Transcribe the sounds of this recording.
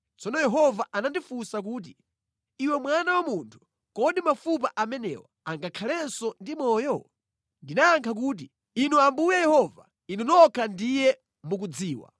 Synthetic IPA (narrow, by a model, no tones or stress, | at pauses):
t͡sɔnɔjɛɦɔvaʔanandifusak̬uːt̬i | iwɛmwanawamuntʰu̥ | kɔɗimafup̬aʔamɛnɛ̰ːwɔ̰aŋɡakʰalɛnsɔndimɔːjɔ | ndinaːŋkʰak̬uːt̬i | inuambujɛjɛhɔva̰ | inunɔkʰandijɛ | muk̬ud͡ziːwa̰